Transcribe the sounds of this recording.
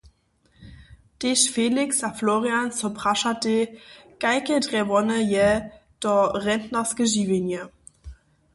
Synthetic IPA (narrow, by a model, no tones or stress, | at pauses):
d̥eʃfeːlɪksafloːʁiansopʁ̥aʃadeɡ̥aɪkədʁɛvɔnəjɛd̥ɔʁɛntnɐsɡ̥əʒiːvenjə